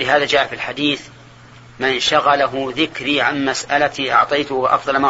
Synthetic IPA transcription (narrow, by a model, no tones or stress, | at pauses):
lɪɦaːðad͡ʒaːʔafilħad̪iːθ | mɪnʃaɣalaɦʊðɪkɾiːʕanmasʔalat̪iʔɑ̰ʕt̪ˤɑjt̪ʊʔɑ̰fðˤɑlma